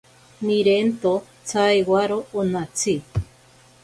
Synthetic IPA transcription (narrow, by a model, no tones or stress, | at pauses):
miɾent̪o | t͡sajwaɾoːnat͡sʰi